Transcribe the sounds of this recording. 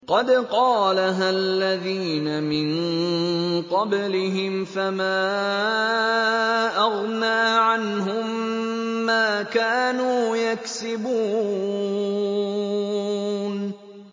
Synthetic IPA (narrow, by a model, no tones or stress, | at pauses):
qɑd̪qɑːlaɦalːaðiːnamɪn | qɑblɪɦɪmfamaː | ʔɑɣnaːʕanɦʊmː | aːkaːnuːjaksɪbuː | n